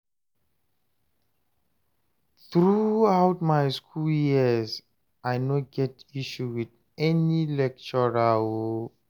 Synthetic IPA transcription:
θɹuawtmajskʰuljiəz | ʔajnoɡɛtiʃuwið | ɛnilɛk̚t͡ʃɔɹawo

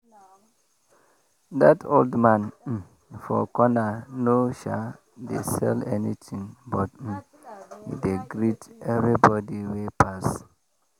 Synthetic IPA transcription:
datʰoldmãn̩ | fɔkɔnanoʃa | dḛsɛ̰lɛnit̪ʰĩŋbɔt̩̚ | hḭdeɡɹitɛvɹibɔdiwepʰas

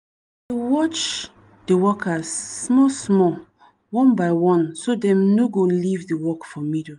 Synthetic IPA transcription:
dewɔt͡ʃ | dewɔkʰasːmɔsmɔ | wɔ̃nbaɪwɔ̃nsodɛ̃mnoɡolivdewɔkfɔmido

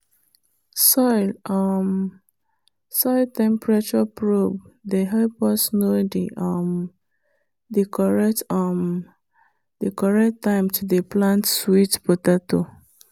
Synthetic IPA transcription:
sɔɪlɔm | sɔɪltɛ̃mpɹat͡ʃɔpɹobdeɦɛlpɔsnodḭʔɔm | dekɔɹɛtɔm | dekɔɹɛktːãɪ̃mtʰudeplãntswitpotato

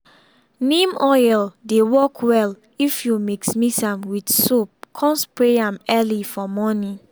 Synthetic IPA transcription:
nĩmɔjldewɔkʰwɛl | ifjumiksmisãmwidsop̚kʰɔ̃nspɹeãmɛlifɔmɔnĩ

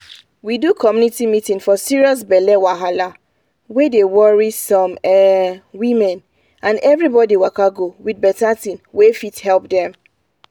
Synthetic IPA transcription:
widukʰɔmjũnitimitĩŋfɔsiɹiɔs̬bɛlɛwaɦala | wedewɔɹisɔ̃mɛwĩmɛ̃n | ãnɛvɹibɔdiwakaɡowidbɛtatĩnwefithɛlpdɛ̃m

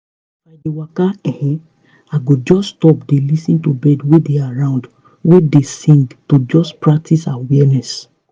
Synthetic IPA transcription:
badewakaɛ̃hɛ̃ | aɡod͡ʒɔstɔp̚delisĩntobɛdwedeaɹãʊ̃nd | wedesĩŋɡtod͡ʒɔspɹak̚tisawɛnɛs

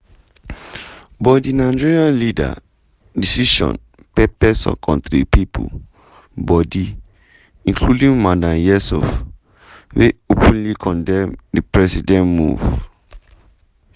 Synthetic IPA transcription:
bɔdinad͡ʒiɹiãnlida̰ | disiʃɔ̰̃n | pɛpɛsɔ̰kʰɔ̰̃ntɾipipʰṵ | bɔdi | ĩnkʰludĩŋmadãmjɛsɔ̰f | weopũnlikʰɔ̃ndɛ̃mdipɹɛsidɛ̃nmṵv

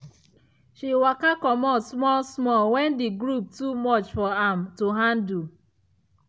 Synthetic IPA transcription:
ʃiwakakɔmɔsmɔsmɔwɛndiɡɾup̚tumɔt͡ʃfɔamtuɦandu

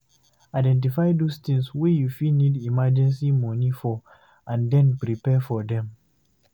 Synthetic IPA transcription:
aɪdɛ̃nt̬ifajdost̪ĩŋswijufinidimad͡ʒɛ̃nsimɔ̃nifɔ | ʔãndɛ̃npɹipɛfɔdɛ̃m

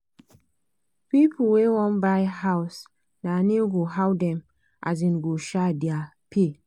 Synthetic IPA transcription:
pipʰuwewɔ̃nbaɪhaʊs | daneɡoɦawdɛ̃m | ʔa̰zĩnɡoʃadia | pʰe

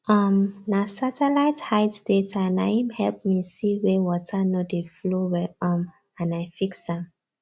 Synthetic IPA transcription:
ʌmnasatɛlaɪthajtd̥etʰaanajĩmhɛlp̚misiwewɔtʰanodeflowɛɔ̃m | ãnajfiksãm

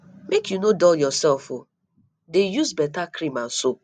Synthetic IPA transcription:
mekjunodɔjɔsɛlfo | dejuzbɛtakɾiman̩so

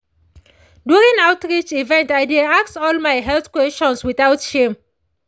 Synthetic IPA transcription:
djuɹĩŋawtɹit͡ʃivɛ̃ntaɪdiaksɔlmajɦɛlθkwɛstɔ̃nswiθawtʃẽm

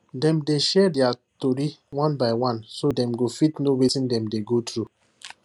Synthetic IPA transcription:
dɛ̃mdeʃɛdjatoɾiwãnbaɪwãnsodɛ̃mɡofitnowetĩndɛ̃mdeɡotɾu

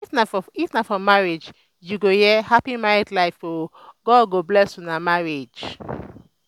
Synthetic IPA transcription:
ifnafɔifnafɔmaɹed͡ʒ | juɡojɛhapimaɹidlaɪfo | ɡɔɡoblɛsũnamaɹed͡ʒ

